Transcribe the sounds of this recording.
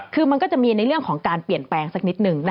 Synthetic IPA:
kʰɯː˧ma˧nkɔː˥˩t͡ɕa˨˩ʔmiː˧na˧jɾɯ˥˩əŋkʰɔː˩˦ŋkaː˧npli˨˩ənplɛː˧ŋsa˨˩k̚ni˦˥t̪̚nɯ˨˩ŋn˥

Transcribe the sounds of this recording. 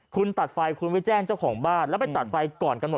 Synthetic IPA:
kʰu˧nt̪a˨˩t̪̚fa˧jkʰu˧nwi˦˥t͡ɕɛː˥˩ŋt͡ɕa˥˩wkʰɔː˩˦ŋbaː˥˩nlɛ˦˥˩pa˧jt̪a˨˩t̪̚fa˧jkɔː˨˩nka˧nmo˨˩

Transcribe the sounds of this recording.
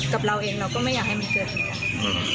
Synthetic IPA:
ka˨˩p̚ɾa˧wʔeː˧ŋɾa˧wkɔː˥˩ma˥˩jaː˨˩k̚ha˥˩jma˧nkɤː˨˩t̪̚ːʔː

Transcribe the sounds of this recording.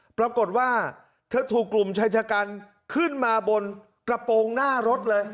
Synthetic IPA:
pɾa˧ko˨˩t̪̚waː˥˩ | t̪ʰɯ˧˥t̪ʰuː˨˩kːlu˨˩mt͡ɕʰaː˧˥jt͡ɕʰaː˧kaː˧n | kʰɯ˥˩nmaː˧bo˧n | kɾa˧poː˧ŋnaː˥˩ɾo˦˥t̪̚lɤː˧j

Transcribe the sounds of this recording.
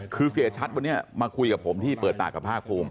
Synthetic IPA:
kʰɯː˧si˨˩˦ə˦t͡ɕʰa˦˥t̪̚wa˧nːi˦˥ɐmaː˧kʰu˧jka˨˩pʰo˩˦mt̪ʰiː˥˩pɤː˨˩t̪̚ːa̰ː˨˩kːa˨˩pʰaː˥˩k̚pʰuː˧m

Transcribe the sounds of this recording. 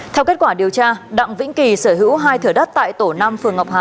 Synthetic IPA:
t̪ʰɛ˧wke˦˥t̚kwaː˧˩ɗi˨˩əwt͡ɕaː˧ɗa̰˧˨ŋvḭ̈˧˥ŋki˨˩səː˧˩ɦɨ̰˧˥wɦaː˧jt̪ʰɨ˧˩əɗə˦˥t̚t̪a̰ː˧˨jt̪o˧˩na˧mfɨ˨˩əŋɦa˨˩wk͡p̚haː˨˩

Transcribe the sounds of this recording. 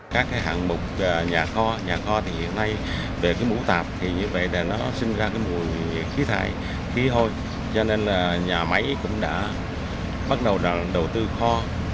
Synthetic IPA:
kaː˦˥k̚ːaː˨˦jɦa̰ː˧˨nmʊ˨˩k͡p̚ːɲaː˨˩xɔ˧ɲaː˨˩xɔ˧t̪ʰi˨˩hḭ˧˨ənːa˧j | ve˨˩kaː˨˦jmṵ˧˥t̪aː˨˩p̚t̪ʰi˨˩ɲɨ˧və̰˧˨jɗe˨˩nɔ˨˦sï˧ŋ̟zaː˧kaː˨˦jmu˨˩əj | xi˨˦t̪ʰa̰ː˧˨j | xi˨˦t̪ʰo˧j | t͡ɕɔ˧ne˧nlaː˨˩ɲaː˨˩ma˨˦jkʊ̰˧˥ŋ͡mɗa̰ː˧˥ | ɓa˦˥t̚ɗə˨˩wzaː˨˩ŋɗə˨˩wt̪ɨ˧xɔ˧

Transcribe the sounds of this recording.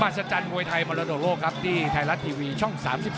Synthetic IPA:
maː˨˩sa˧t͡ɕaː˧nmu˧əjt̪ʰa˧jmaɔː˧ɾa˧doː˨˩loː˥˩kʰa˦˥p̚t̪ʰiː˥˩t̪ʰaː˧la˦˥t̪ʰiː˧wiː˧t͡ɕʰɔ˥˩ŋsa̰ː˩˦msi˨˩p̚

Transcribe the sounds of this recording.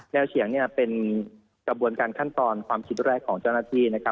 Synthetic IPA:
nɛː˧wsʰi˨˩˦əŋni˥˩ɐpe˧n | kɾa˧bu˧ənkaː˧nkʰa˥˩nt̪ɔː˧nkʰwaː˧mkʰi˦˥t̪̚ɾɛː˥˩kʰːɔː˩˦ŋt͡ɕa˥˩wnaː˥˩t̪ʰiː˥˩na˦˥kʰa˦˥

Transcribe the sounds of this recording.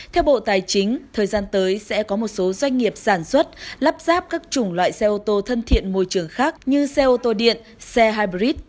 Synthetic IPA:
t̪ʰɛ˧wɓo̰˧˨t̪aː˨˩jt͡ɕï˨˦ŋ̟t̪ʰəː˨˩jzaː˧nt̪əː˨˦jsɛ̰˧˥kɔ˨˦mo˨˩t̚so˨˦zwa˧jŋ̟ːi˨˩əp̚saː˧˩nswə˦˥t̚la˦˥p̚z̥aː˦˥p̚kaː˦˥k̚t͡ɕʊ˧˩ŋ͡mlwa̰ː˧˨jsɛ˧ʔo˧t̪o˧t̪ʰə˧nt̪ʰḭ˧˨ənmo˧˩jt͡ɕɨ˧˩əŋxaː˦˥k̚ɲɨ˧sɛ˧ʔo˧t̪o˧ɗḭ˧˨ən | sɛ˧ɦaː˧jɓɾi˦˥t̚

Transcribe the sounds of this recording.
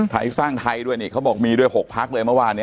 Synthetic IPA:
tʰa̰ː˨˩˦jsaː˥˩ŋt̪ʰa˧jdu˥˩əjniː˦˩kʰa˦˥bɔː˨˩k̚miː˧du˥˩əjho˨˩k̚pʰa˦˥k̚lɤː˧jmɯ˥˩waː˧nːi˦˥

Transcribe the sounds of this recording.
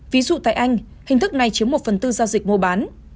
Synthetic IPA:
vi˨˦zṵ˧˨t̪a̰ː˧˨jʔa˧jŋ̟ | hï˨˩ŋ̟t̪ɨ˦˥k̚na˨˩jt͡ɕi˨˦əmo˨˩t̚fə˨˩nt̪ɨ˧zaː˧wzi˨˩k̚mu˧˩ɓaː˨˦n

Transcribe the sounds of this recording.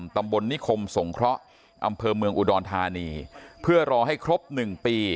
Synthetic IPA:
mt̪a˧mbo˧nːi˦˥kʰo˧mso˩˦ŋkʰɾɔ˦˥ʔ | ʔa̰˧mpʰɤː˧mɯ˧əŋʔu˧˩dɔː˧nt̪ʰaː˧niː˧pʰɯ˥˩ɐɾɔː˧ɦa˥˩jkʰɾo˦˥p̚nɯ˨˩ŋpiː˧

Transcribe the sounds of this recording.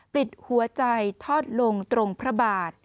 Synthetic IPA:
pɾi˨˩t̪̚hu˩˦ɐt͡ɕa˧jt̪ʰɔː˥˩t̪̚lo˧ŋt̪ɾo˧ŋpʰɾa˦˥baː˨˩t̪̚

